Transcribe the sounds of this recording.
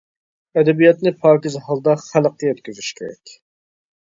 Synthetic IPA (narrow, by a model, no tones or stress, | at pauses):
ɛd̪ɛbijɑt̪nɪpʰɑːkʲizhɑlˠd̪ɑχæləq̚ɛøt̪kʲyzyʃkʲʰeɾɛ̰kʲ